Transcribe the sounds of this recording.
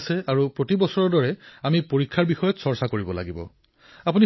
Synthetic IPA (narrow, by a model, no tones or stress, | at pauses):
sɛaɹupɹotibɔsɔɹɔdɔɹɛamipoɹikʰːaɹbixɔjɔtsɔɹsakoɹibɔla̰ɡibɔ̰ | apuni